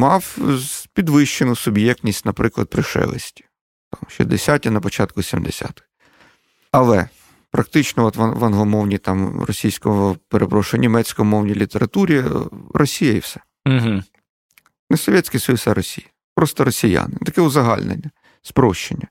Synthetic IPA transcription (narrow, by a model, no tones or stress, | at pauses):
mɑwpʲid̪ʋɪʃt͡ʃenʊsʊbjɛk̚t̪ʲnʲisʲtʲnɐpɾɪklˠɐ̰d̪̚pɾɪʃɛ̰lˠɪ̰sʲtʲi̥ | t̪ɑmʃʲḭd̪ɪsʲatʲinɐpɔt͡ʃɑt̪kʊsʲimd̪esʲa̰t̪ɪ̥x | ɐlˠɛ | pɾɐk̚t̪ɪt͡ʃnɔɔt̪ʋɐʋɐnɦˠɔmɔwnʲit̪ɑmɾɔ̰sʲijsʲkɔɔpeɾʔepɾɔʃʊnʲimɛt͡sʲkɔmɔwnʲijlʲit̪eɾɐt̪uɾʲiɾʔɔsʲijɐḭwsɛ̥ | ɦ̩ | nɛsɔʋʲjesʲkɪsɔjusɐɾɔsʲijɐ | pɾɔst̪ɔɾɔsʲija̰nɪt̪ɐkɛʊzɐɦɑ̰lʲnḛnʲːɐ | spɾɔʃt͡ʃenʲːɐ